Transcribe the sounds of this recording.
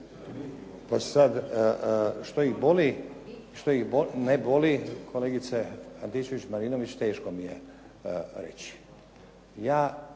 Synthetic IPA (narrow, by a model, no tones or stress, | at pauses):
pasad̪ | ʃt̪oixboli | ʃt̪oixbonebo̞likʰo̞leːɡit̪seant̪it͡ʃeʋit͡ɕmaɾinoʋit͡ɕt̪eːʃko̞mijḛ | ɾḛt͡ɕi̥ | jaː